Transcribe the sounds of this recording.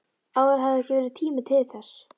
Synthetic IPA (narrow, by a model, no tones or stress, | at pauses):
aːwvɛɾ̥ɦaðɛhcɪvɛːɾɪðt̪ʰiːmɪt̪ʰɪðθɛs